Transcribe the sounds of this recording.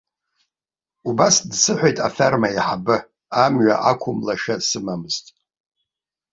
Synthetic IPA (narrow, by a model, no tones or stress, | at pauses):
ubasdsɨħʷejtʼafarmaiħabɨ | amɥa̰ʔakʷʰʊmlaʃasɨmamɨztʼ